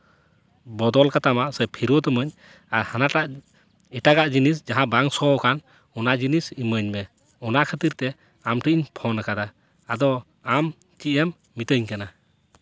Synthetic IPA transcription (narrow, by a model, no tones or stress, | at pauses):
bɔd̪ɔlkat̪amaʔsɛpʰiɾɔt̪ɔməɲ | aɾhanaʈaʔ | ɛʈaɡaʔd͡ʒinis̬d͡ʒaɦãbaŋsɔɔkʰan | ɔnaʔd͡ʒinisiməɲmɛ | ɔnaʔkʰət̪iɾt̪ɛ | amʈiʔɲpʰɔnakad̪aː | d̪ɔ | am | t͡ʃiʔɛmːit̪əɲkana